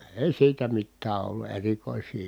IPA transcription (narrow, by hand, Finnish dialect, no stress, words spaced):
eˑi siːtæ mitːæː olːu erikoˑisˑiː